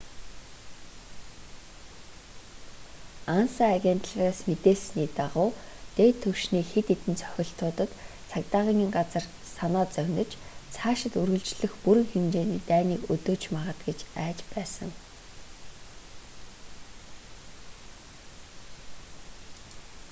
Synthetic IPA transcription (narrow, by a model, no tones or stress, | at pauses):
ansaaɣʲen̥t̪ɮraːsmet̪eːsniːt̪aʁʊːt̪eːt̪ʰːɵwʃniːxet̪et̪ɘ̆nt͡sʰœ̥xʲɪ̆ɬt̪ʰʊːt̪ə̆t̪ | t͡sʰakt̪aːʁiːŋiːŋɢat͡sə̆r | sanɔːt͡sœwʲnə̆t͡ɕt͡sʰaːʃɪ̆t̪ɵrɣɵ̆ɮt͡ɕɮɘ̆xpuɾɘ̆ŋxemt͡ɕeːniːt̪æːniːkɵt̪oːt͡ɕmaʁə̆t̪ɡet͡ɕæːt͡ɕpæːsə̆ŋ